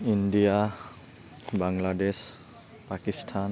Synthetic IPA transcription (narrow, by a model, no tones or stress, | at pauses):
india | baŋɡladɛs | pakist̪ʰan